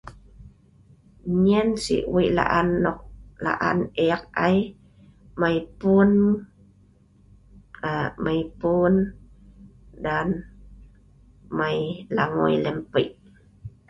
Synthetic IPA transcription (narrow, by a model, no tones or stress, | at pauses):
ɲənsḭʔwiʔla̰ʔanːɔk̚la̰ʔa̰neak̚aj | majpun | amajpun | dan | majlaŋo̰jləmpəʔ